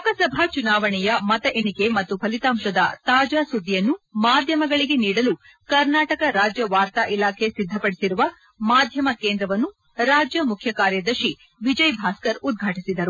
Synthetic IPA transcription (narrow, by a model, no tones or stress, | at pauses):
ɐkɐsɐbʱat͡ʃunaːʋɐɳɛjɐmɐt̪ɐʔenike̞mɐt̪ːupʰɐlit̪aːmʃɐd̪ɐt̪aːd͡ʒaːsud̪ːijɐnːumaːd̪ʱjɐmɐɡɐɭiɡe̞niːɽɐlu | kɐɾnaːʈɐkɐɾaːd͡ʒjɐʋaːɾt̪aːʔilaːkʰe̞sid̪ʱːɐpɐɽisiɾuʋɐ | maːd̪ʱjɐmɐkeːnd̪ɾɐʋɐnːu | ɾaːd͡ʒjɐmukʰjɐkaːɾjɐd̪ɐɾʃi | ʋid͡ʒɐjbʱaːskɐɾud̪̚ɡʱaːʈisid̪ɐɾu